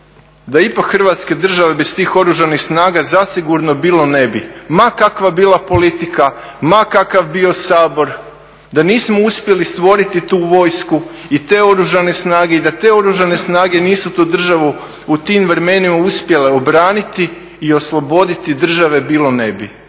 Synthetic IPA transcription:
d̪aipakxr̩ʋaːt̪ske̞d̪r̩ʒaʋe̞best̪iːxo̞ɾuʒanixsnaːɡazasiɡuɾnobiːlˠo̞ne̞bimakakʋabiːlˠapo̞lit̪ika | makakaʋbio̞saːbo̞ɾ | d̪aniːsmouspje̞list̪ʋo̞ɾit̪it̪uːʋo̞ːjsku | it̪e̞ːo̞ɾuʒane̞snaːɡe̞id̪at̪e̞ːo̞ɾuʒane̞snaːɡe̞niːsut̪uːd̪r̩ʒaʋu | ut̪imʋɾemenimauspje̞le̞obɾaːnit̪iː | o̞slˠo̞bo̞d̪it̪id̪r̩ʒaʋe̞biːlˠo̞ne̞bi

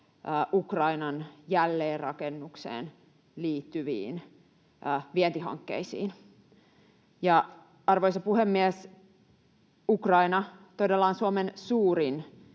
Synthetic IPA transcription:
ʔukrɑinɑnjælːeːrrɑkenːuksḛːn | liːt̪ːyʋḭːn | ʔʋient̪iɦɑ̰ŋkːḛisḭːn | jɑ | ɑrʋojsɑpuhemːiɛs | ukrɑinɑt̪odelːɑːnsuomensuːɾin

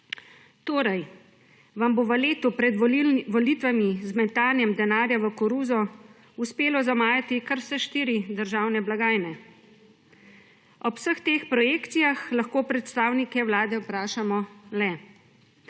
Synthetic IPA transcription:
t̪oːɾaj | ʋamboʋəleːt̪upɾɛd̪ʋɔliːt̪ʋamizmɛnt̪aːlnjɛmd̪ɛnaːɾjaʋəkɔɾuːzɔ | uspeːlɔzamaːjat̪ikaɾsɛʃt̪iːɾid̪əɾʒaːwnɛblaɡaːjnɛ | ɔwsəxt̪eːxpɾɔjeːkt̪sijaxlaxkoːpɾɛt̪st̪aːwnikɛwlaːd̪ɛwpɾaːʃamɔlɛ

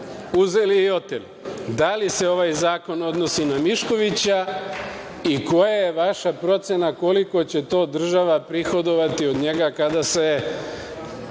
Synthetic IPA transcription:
uzeliio̞t̪elid̪alise̞o̞ʋajzaːko̞no̞d̪no̞sinamiʃko̞ʋit͡ɕa | iko̞jajeʋaʃapɾo̞t̪sje̞nako̞liko̞t͡ɕe̞t̪o̞ːd̪r̩ʒaʋapɾixo̞d̪o̞ʋat̪io̞d̪ɲe̞ɡakad̪ase̞

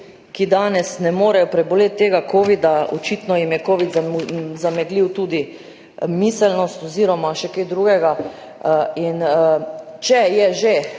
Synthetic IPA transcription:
kid̪aːnɛsnɛmoːɾɛjɔpɾɛboleːt̪ːeːɡakʰoːʋid̪aɔ̰t͡ʃit̪nɔjimjɛkoːʋid̪zazamɛɡliwt̪uːd̪i | miːsɛlnɔst̪ɔziːɾɔmaʃɛkeːd̪ɾuːɡɛɡa | in | t͡ʃɛjɛʒe

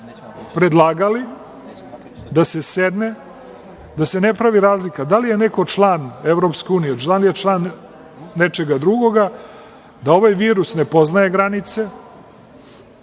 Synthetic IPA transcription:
pɾe̞d̪lˠaːɡali | d̪ase̞sed̪ne | d̪ase̞ne̞pɾaʋiɾaːzlikad̪alije̞ne̞ko̞t͡ʂlˠaːneʋɾo̞pskeuːnijet͡ʃlˠaːnjet͡ʂlˠaːnː | et͡ʃe̞ɡad̪ɾuɡo̞ɡa | d̪ao̞ʋajʋiːɾusne̞po̞znaje̞ɡɾanit̪se̞

